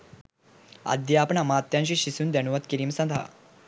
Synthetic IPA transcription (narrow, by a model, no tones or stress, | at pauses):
a̰d̪japɳamat̪jãnɕiːɕisuːnd̪ɛñuʋət̪kiɾiːmsãnd̪ʱa̰